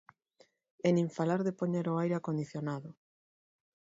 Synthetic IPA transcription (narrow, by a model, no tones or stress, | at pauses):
ɛnĩɱfalaɾðepoɲeɾoajɾakond̪iθjonaðʊ